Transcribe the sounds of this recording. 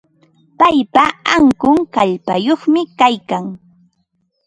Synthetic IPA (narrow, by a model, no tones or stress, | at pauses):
pajpaaŋkʊŋkaʎpajoχmɪkajkaŋ